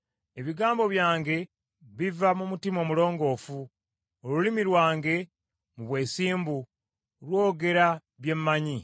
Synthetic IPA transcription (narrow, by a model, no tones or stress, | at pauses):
e̞βiɡaːmbo̞βjaːŋɡe̞ | βivamumutimo̞mulo̞ːŋɡo̞ːfu | olulimiɾwaːŋɡe̞ | muβwe̞ːsiːmbu | lwo̞ːɡe̞ɾa | βje̞mːaɲi